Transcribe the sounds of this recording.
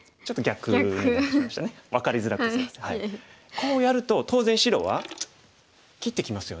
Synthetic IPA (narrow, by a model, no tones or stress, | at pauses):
t͡ɕo̞t̪ːoɡʲakɯmaɕi̥t̪aneβakaɾʲizɨɾakashaikʰo̞ːjaɾɯ̟t̪o̞t̪o̞ːzẽ̞ɰ̃ɕiɾo̞̰ːβa̰ | kʲit̪ːe̞kʲimasɨjo̞